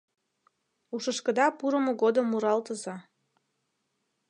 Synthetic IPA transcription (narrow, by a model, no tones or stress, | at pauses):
uʃəʃkə̆d̪ɑpuɾəmoɣod̪əmːuɾɑlt̪əzɑ